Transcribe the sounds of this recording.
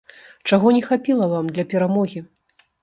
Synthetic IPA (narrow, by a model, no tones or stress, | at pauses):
t͡ʂaɣɔnʲɛxapʲilˠɐvamd̪lʲɐpʲɛɾamɔɣʲi